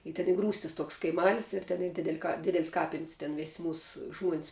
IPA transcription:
ɪ tʲɛn ˈiː ˈɡruːsʲtʲɪs ˈtoːks kɐɪˈmɑːlʲɪs ɪr tʲɛn ˈiː ˈdʲɪdʲɛlʲ kɐ ˈdʲɪdʲɛlʲɪs ˈkɑːpʲɪnʲsʲ tʲɛn ˈʋʲeːsʲ ˈmuːs ˈʒmuɔnʲsʲ

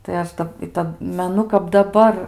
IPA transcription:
tɐɪ ˈɐʃ ˈdɐp ɪ ˈtɐt mʲɛˈnʊ kɐp dɐˈbɐr

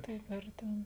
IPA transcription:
ˈtɐɪp ˈɐr tʲɛn

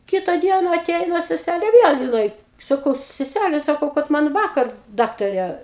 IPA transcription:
ˈkʲɪtɐ ˈdʲiɛnɐ ɐˈtʲɛɪnɐ sʲɛˈsʲælʲeː ˈʋʲiɛlˠ jɪˈnɐɪ sɐˈkɐʊ sʲɛˈsʲælʲɛ sɐˈkɐʊ kɐt ˈmɐn ˈʋɑːkɐr ˈdɑːktɐrʲeː

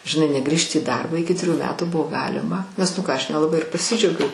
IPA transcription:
ʒʲɪnˈɐɪ nʲɛˈɡrʲiːʃʲtʲɪ iː ˈdɐrbɑː ˈɪkʲɪ tʲrʲɪˈjuː ˈmʲæːtuː ˈbʊʋoː ˈɡɑːlʲɪmɐ nʲɛs ˈnʊ ˈkɑː ˈɐʃ nʲɛlˠɐˈbɐɪ ɪr pɐˈsʲɪd͡ʒʲɛʊɡʲɛʊ

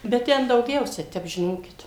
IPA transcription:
bʲɛt ˈtʲɛn dɐʊˈɡʲɛʊsʲɛ ˈtʲɛp ʒʲɪˈnoːkʲɪt

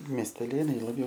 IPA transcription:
mʲiɛsʲtʲɛˈlʲeːnɐɪ lˠɐˈbʲjɛʊ

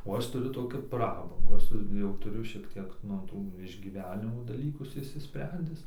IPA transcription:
oː ˈɐʃ tʊˈrʲʊ ˈtoːkʲuː ˈprɑːbɐŋɡuː ˈɐʃ sʊ jɛʊ ˈtʊrʲʊ ʃʲiɛk tʲiɛk nʊ ˈtuː ɪʒʲɡʲiːˈʋʲæːnʲɪmoː dɐˈlʲiːkʊs ɪʃʲsʲɪˈsʲpʲrʲɛnʲdʲɪs

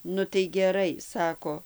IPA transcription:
nʊ tɐɪ ɡʲɛˈrɐɪ ˈsɑːkoː

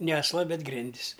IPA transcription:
nʲɛ ɐsˈlˠɐ ˈbʲɛt ˈɡrʲɪnʲdʲɪs

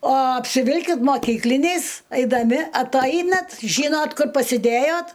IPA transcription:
oː ɐpʲsʲɪˈʋʲɪlʲkʲɪt moːˈkʲiːklʲɪnʲɛɪs ɐɪdɐˈmʲɪ ɐtˈɐɪnɐt ˈʒʲiːnoːt ˈkʊr pɐsʲɪˈdʲeːjoːt

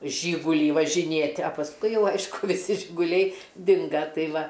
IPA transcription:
ˈʒʲiːɡʊlʲiː ʋɐʒʲɪˈnʲeːtʲ ɐ pɐsˈkʊɪ ˈjɛʊ ˈɐɪʃkʊ ʋʲɪˈsʲɪ ʒʲɪɡʊˈlʲɛɪ ˈdʲɪŋɡɐ ˈtɐɪ ˈʋɐ

